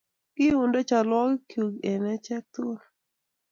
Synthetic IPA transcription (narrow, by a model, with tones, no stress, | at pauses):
kɪ˦ʊ˨ndo˦t͡ʃa˨lwɔ˦kkju˨ɡe˨nɛ˦t͡ʃɛ˦k̚t̪ʊ˦l